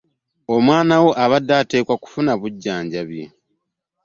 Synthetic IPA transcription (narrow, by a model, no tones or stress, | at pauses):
omwaːnawo̞ʔaβadːaːte̞ːkwaku̥funaβuɟːaːɲɟaβjḛ